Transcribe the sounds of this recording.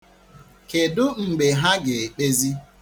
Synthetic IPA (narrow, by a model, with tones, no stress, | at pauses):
ke˨dʊ˦ŋ͡m̩˨ɡ͡be˨ɦa˦ɡɪ˨k͡pe˦zi˦